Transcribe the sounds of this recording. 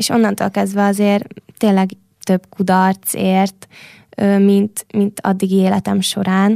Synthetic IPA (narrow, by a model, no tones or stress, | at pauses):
eːʃo̞nːɒnt̪oːlkɛzd̪ʋɛɒzeːrt̪eːlɛɡ | t̪ø̞bkud̪ɒrt̪seːrt̪ | øːmint̪mint̪ʰɒ̰d̪ːiɡieːlɛt̪ɛmʃo̞ɾaːn